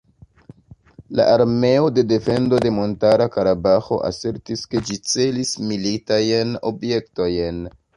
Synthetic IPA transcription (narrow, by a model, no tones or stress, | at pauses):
la̰ʔaɾme̞o̞de̞de̞fe̞ndo̞de̞mo̞ntaɾakaɾabaxo̞̰ʔa̰se̞ɾtiske̞d͡ʒit͡se̞lismilitajno̞̰bje̞k̚to̞jn